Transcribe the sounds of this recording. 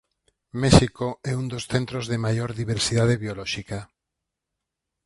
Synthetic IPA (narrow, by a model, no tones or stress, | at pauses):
mɛʃikoɛund̪osθẽnt̪ɾozðemajoɾðiβ̞eɾsiðað̞eβjolɔʃika